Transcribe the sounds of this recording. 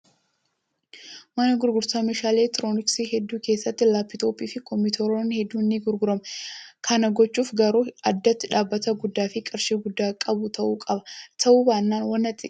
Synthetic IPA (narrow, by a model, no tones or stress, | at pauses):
mɐnɐɡʊɾɡʊɾsaːmeːʃaːleːt̪ɪɾoːnɪksiɦɛd̪ːuːke̞ːsːɐt̪ːɪlaːpːɪt̪oːpʼiːfɪkɔmːɪt̪ʰɔɾoːnhɛd̪ːuːnːiɡʊɾɡʊɾɐmɐkʰɐnɐɡɔt͡ʃːuːfɡɐɾuːɐd̪ːɐt̪ːɪᶑaːbːɐt̪ɐɡʊd̪ːaːfɪkʼɐɾʃiːɡʊd̪ːaːkʼɐbʊt̪ɐʔuːkʼɐbɐt̪ʰɐʔuːbaːnːaːnwɐnːɐt̪ːɪ